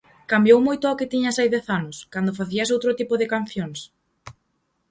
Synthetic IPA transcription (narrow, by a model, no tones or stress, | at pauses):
kambjowmojt̪ʊakɪt̪iɲasajðɛθanʊskand̪ʊfaθiɐs̬owt̪ɾʊt̪ipʊðɪkan̟θjoŋs